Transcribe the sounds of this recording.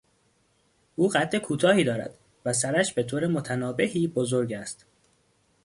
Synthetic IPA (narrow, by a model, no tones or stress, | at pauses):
ʔuːɢæt̪ʰːe̞kʰuːt̪ʰɒːhiːd̪ɒːɾæ̰d̪̥ | væs̬æɾæʃbe̞t̪ʰoːɾemo̞t̪ʰænɒːbe̞hiːbozo̞ɾɟæst̪